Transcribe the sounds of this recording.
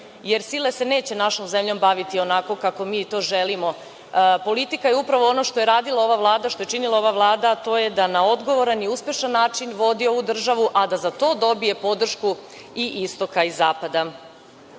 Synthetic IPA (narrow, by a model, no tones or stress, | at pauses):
jeɾsile̞se̞ne̞ːt͡ɕe̞naʃo̞mze̞mʎo̞mbaʋit̪io̞nako̞kako̞miːt̪o̞ʒelimo̞ | po̞lit̪ikajeupɾaʋoo̞noʃt̪ojeɾaːd̪ilˠao̞ʋaʋlˠaːd̪aʃt̪o̞je̞t͡ʃinilˠao̞ʋaʋlˠaːd̪at̪o̞ːje̞d̪anao̞d̪ɡo̞ʋo̞ɾaniuspje̞ʃanːaːt͡ʃinʋo̞d̪io̞ʋud̪r̩ʒaʋuʔad̪azat̪o̞ːd̪o̞bije̞po̞d̪r̩ʃku | iʔist̪o̞kaizaːpad̪a